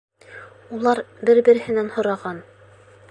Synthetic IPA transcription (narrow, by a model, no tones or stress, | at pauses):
ulˠɑɾbɘɾbɘ̆ɾɘ̆hɘ̆nænhŏɾɑʁɑn